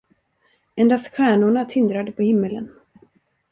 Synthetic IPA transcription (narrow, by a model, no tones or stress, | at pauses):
ɛnd̪asɧæːɳʊɳat̪ʰɪnd̪ɾad̪əpʰɔhɪmːələ̰n